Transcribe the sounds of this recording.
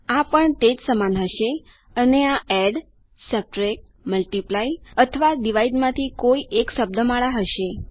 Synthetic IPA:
apəɳt̪ed͡ʒsəmanɦəʃe | əneaɛɖ | səp̚ʈɾek̚ | məlʈiplaiət̪ʰəʋaɖiʋaidmãt̪ʰikoiʔekʃəb̚d̪əmaɭaɦəʃe

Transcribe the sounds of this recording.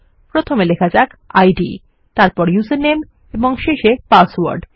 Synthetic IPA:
pɾot̪ʰomelekʰad͡ʑak | ajɖḭ | t̪aɾpɔɾjusenem | eboŋʃeʃepaswo̰ɾɖ

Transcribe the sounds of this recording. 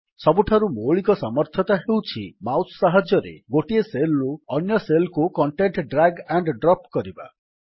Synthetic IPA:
sɔbuʈʰaɾumoɭikɔsamɔɾt̪ʰɔt̪aɦewt͡ʃʰḭmawssaɦad͡ʒɔɾḛɡoʈieseluɔnjɔselkukɔɳʈeɳʈɖɾaɡɛɳɖɖɾɔpkɔɾiba̰

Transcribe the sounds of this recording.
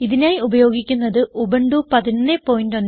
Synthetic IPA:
iðinaːjiubɐjo̞ːɡikʲːunːɐðɨʔubɐɳɖupɐðinɐnːepːo̞ːjindonː

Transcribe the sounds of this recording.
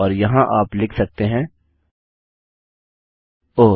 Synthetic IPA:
ɔːɾjɐɦãʔaːplɪkʰsɐk̚t̪eɦɛ̃ː | oː

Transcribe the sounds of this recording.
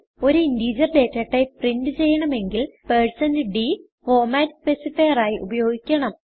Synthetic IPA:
o̞ɾuindiːd͡ʑɐrɖe̞ːtːɐʈːɐprindɨt͡ɕe̞jːɐɳɐme̞ŋɡilpeːɻsɐndɖi | fo̞ːmaːtspesifɐjɐraːjiʔubɐjo̞ːɡikʲːɐɳɐm

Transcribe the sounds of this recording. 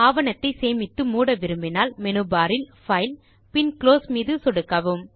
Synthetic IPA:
aːʋɐnɐt̪ːɐɪseːmɪt̪ːɯmuːɽɐʋɪɾɯmbɪnaːlmɛnɯbaːɾɪlfɐɪl | pɪnkloːsmiːðɯsɔɽɯkːɐʋɯm

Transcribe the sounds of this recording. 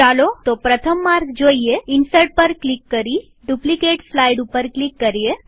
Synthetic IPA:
alot̪opɾət̪ʰəmːaɾɡd͡ʑoijeinsəʈ̚pəɾklikːəɾi | ɖuplikeʈslaiɽupəɾklikːəɾije

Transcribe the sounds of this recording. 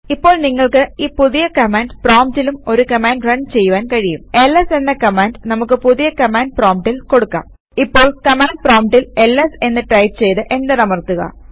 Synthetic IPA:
ipːo̞ːɭniŋːɐɭkɨiːpuðijɐkɐmaːɳɖproːmtilumo̞ɾukɐmaːnɖrɐɳɖt͡ɕe̞jːuʋaːnkɐɻijume̞lːese̞nːɐkɐmaːɳɖnɐmukːɨpuðijɐkɐmaːɳɖ̚proːmʈːilko̞ɽukːɐ̰ | ipːo̞ːɭkɐmaːɳɖ̚proːmʈːilelːese̞nːɨʈrɐjʈt͡ɕe̞jt̪ɨʔe̞ndenɐmɐrt̪ːuɣɐ̰

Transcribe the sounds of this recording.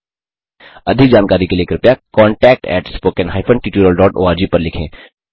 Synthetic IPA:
ɐd̪ʱɪk̚d͡ʒaːnkaːɾikelieːkɾɪpjakɔ̃ːɳʈɛːk̚ʈɛ̰ːʈspoːkənɦaːɪfʰə̃ɳʈiːʈjuːɾəlɖɔːʈo̰ːaːɾd͡ʒipɐɾlɪkʰḛ̃ː

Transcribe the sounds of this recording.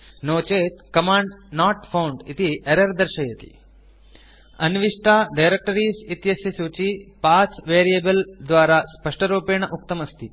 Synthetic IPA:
noːt͡ʃeːt̪kɐmaːɳɖnaːʈpʰɐwɳɖit̪iʔɛɾɐɾd̪ɐɾʃɐjɐt̪i̥̰ | ɐnʋiʂʈaːɖɐjɾek̚ʈɐɾiːsit̪jɐsjɐsuːt͡ʃipaːsʋeːɾijɐbɐld̪ʋaːɾaːspɐʂʈɐɾuːpeːɳɐʔuk̚t̪ɐmɐst̪ʰi

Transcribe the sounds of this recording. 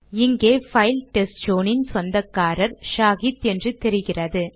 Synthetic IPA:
ɪŋɡeːfɐɪlʈɛsʈd͡ʒoːnɪnsɔnd̪ɐkːaːɾɐɾʃaːɣit̪ɛndrɯt̪ɛɾɪɣɪrɐðɯ

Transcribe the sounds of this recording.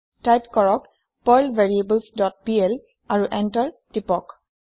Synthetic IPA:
tajpkɔɹɔk | pɔjlvʱeɹiebəlsdɔt̚piɛl | aɹuʔɛntaɹtipɔk

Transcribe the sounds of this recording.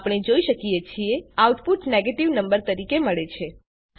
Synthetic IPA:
pɽ̃ed͡ʒoiʃəkijet͡ʃʰieawʈpuʈneɡeʈiʋnəmbəɾt̪əɾikeməɭet͡ʃʰe

